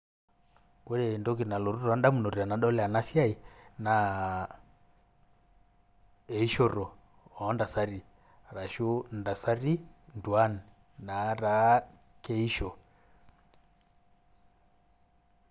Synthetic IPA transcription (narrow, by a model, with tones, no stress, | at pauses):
kwɛ˦ɾɛ˨i˨ndɔ˦ki˨na˨lɔ˨ɾu˦ɾa˦nda˦mu˨nɔ˨ɾi˨a˨na˨ɗɔ˦lɛ˦a˨na˦si˦a˦i˨na˨ | ɛ˨i˦ʃɔ˦ɾɔ˨ | ɔː˨˦nda˨sa˦ɾi˨ | ɾa˨ʃu˦nda˨sa˦ɾi˦ndu˨a˦n˨ | na˨˦ɾa˨˦ | kɛ˦i˦ʃɔ˨